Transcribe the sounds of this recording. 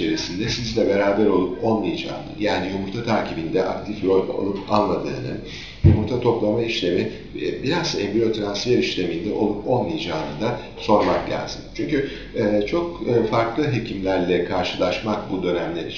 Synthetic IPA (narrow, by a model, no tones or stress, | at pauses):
eɾisind̪ɛsizlʲɛbe̞ɾaːbæɾo̞lˠuponmɯjid͡ʒa̰ːnɯ̰jaːnijumuɾt̪ʰat̪ʰaɾcʰibind̪ɛʔa̰k̚t̪ʰifɾo̞jʲbo̰lˠupa̰nlˠad̪ɯ̰ːnɯ̰n | jumuɾt̪ʰat̪ʰo̞plˠamaiʃlʲe̞mi | biɾazsɛmbio̞t̪ʰɾansfjeɾiʃlʲe̞mind̪ɛʔo̞lˠupo̞nmɯjd͡ʒaːnɯd̪a | so̞ɾmakɟʲæ̰lʲzint͡ʃʰyɲcyː | t͡ʃʰo̞kːfaɾklˠɯɦe̞cʰimlʲæɾlʲɛkʰaɾʃɯlˠaʃmakbud̪ø̞næmlʲe̞ɾi